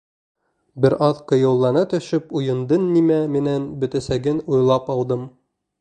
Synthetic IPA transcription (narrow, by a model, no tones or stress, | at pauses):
bɘɾʔɑðqɤ̆jɤ̆wlˠːɑnɤt̪ɵ̆ʃɵpujɤ̆nd̪ɤnːimæminænbɵ̆t̪æsæɡɘnujlˠɑpɑw̪ˠd̪ɤm